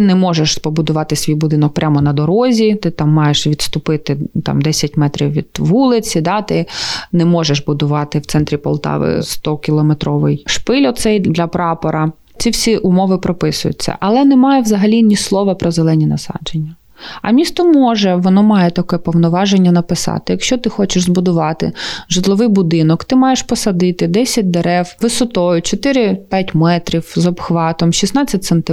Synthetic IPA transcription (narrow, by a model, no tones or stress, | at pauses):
ɪnɛmɔʒeʃpɔbʊd̪ʊʋɑt̪ɪsʲʋʲijbʊd̪ɪnɔk̚pɾʲʔamɔnɐd̪ɔɾɔzʲit̪ɪt̪ɑmːɑjeʃʋʲid̪st̪ʊpɪt̪ɪt̪ɑ̰md̪ɛsʲɐt̚ʲmɛt̪ɾʲiwʋʲḭd̪̥ʋulˠɪt͡sʲid̪ɑt̪ɪnɛmɔʒeʃbʊd̪ʊʋɑt̪ɪw̪sɛnt̪ɾʲipɔ̰lˠt̪ɑ̰ʋɪ̰st̪ɔkʲilˠɔmet̪ɾɔʋɪjʃpɪlʲɔt̪sɛjd̪lʲɐpɾɑpɔɾɐ | t͡sʲiwsʲiʔʊmɔʋɪpɾɔpɪsʊjʊ̰t͡sʲːɐ̰ʔɐlˠɛnɛmɑjɛʋzɐɦɐlʲinʲislˠɔʋɐpɾɔzelˠɛnʲinɐsɑ̰d͡ʒenʲːɐ | ɐ̰mʲist̪ɔmɔʒɛʋɔnɔmɑjɛt̪ɐkɛpɔwnɔʋɑʒenʲːɐnɐpɪsɑ̰t̪ɪjɐkʃt͡ʃɔt̪ɪxɔt͡ʃɪʃzbʊd̪ʊʋɑt̪ɪ̰ʒɪt̪lˠɔʋɪjbʊd̪ɪnɔkt̪ɪmɑjeʃpɔsɐd̪ɪt̪ɪd̪ɛsʲɐt̚ʲd̪eɾɛwʋɪsɔt̪ɔjʊt͡ʃɔt̪ɪɾɪpʲjatʲmɛt̪ɾʲiwzɔbxʋɑt̪ɔmʃʲisnɑt͡sʲːɐt̚ʲsɛnt̪ɪ